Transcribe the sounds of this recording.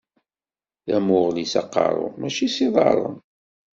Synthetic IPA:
ðæmʊʁlisɑ̰qːɑ̰ɾˤʊ̰mæʃisiðˤɑ̰ɾˤə̰n

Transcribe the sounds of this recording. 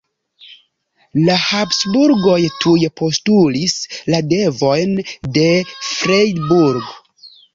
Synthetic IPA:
lahapsbuɾɡo̞jtʰujpʰo̞stulislade̞vo̞jnde̞fɾejdbuɾɡ

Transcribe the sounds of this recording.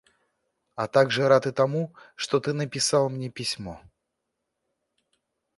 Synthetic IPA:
ɐt̪aɡʐɨɾat̪ɨt̪ɐmuʂt̪ot̪ɨnəpʲɪsalˠmnʲepʲɪsʲmo

